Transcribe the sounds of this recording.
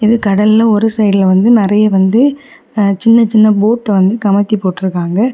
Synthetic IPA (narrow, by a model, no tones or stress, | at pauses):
ɪðɯkɐɽɐlːɐɔɾɯsɐɪɽɪlʋɐnd̪ɯnɪɾɐjɐʋɐnd̪ɯ | t͡ʃɪnːɐt͡ʃɪnːɐboːʈːɐʋɐnd̪ɯkɐmɐt̪ːipoːʈːɪɾɯkːaːŋɡɐ